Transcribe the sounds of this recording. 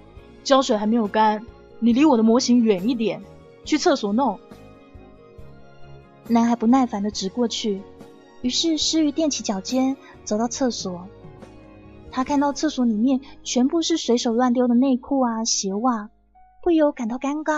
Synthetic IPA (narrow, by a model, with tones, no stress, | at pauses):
t͡ɕjɑ˥ʊʂwe˨˩xa˧˥me˧˥ɪjo˨˩ʊka˥n | ni˨˩li˧˥wɔ˨˩d̪ə˦mwɔ˧˥ɕi˧˥ŋɥɛ˨˩ni˥˩t̪̬jɛ˨˩˦n | t͡ɕʰy˥˧t͡sʰɤ˥˩swɔ˨˩no˥˩ŋ | na˧˥nxa˧˥pu˧˥na˥˩nfa˧˥nd̪ə˨ʈ͡ʂɻ̩˧˥kwɔ˥˧t͡ɕʰy˥˩ | y˧˥ʂɻ̩˥˧ʂɻ̩˥y˧˥t̪jɛ˥˩nt͡ɕʰi˧˥t͡ɕjɑ˨˩ʊt͡ɕjɛ˥n | t͡so˨˩ʊt̪ɑ˥˧ʊt͡sʰɤ˥˩swɔ˨˩˦ | t̪ʰa˥kʰa˥˧nt̪ɑ˥˧ʊt͡sʰɤ˥˩swɔ˧˥li˨˩mjɛ˥˩nt͡ɕʰɥɛ˧˥npu˥˧ʂɻ̩˥˩swe˧˥ɪʂo˨˩ʊlwa˥˧nt̪̬jɑ˥ʊd̪ə˨ne˥˧ɪkʰu˥˩ɐ˩ɕjɛ˧˥wa˥˩ | pu˥˩jo˧˥ʊka˨˩nt̪ɑ˥˩ʊka˥nkɑ˥